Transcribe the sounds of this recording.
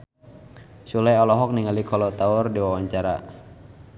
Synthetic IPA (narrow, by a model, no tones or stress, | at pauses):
sulɛjɔlɔɦɔk̚niŋalikʰɔlɔt̪aʊrdiwawaɲt͡ʃaɾa̰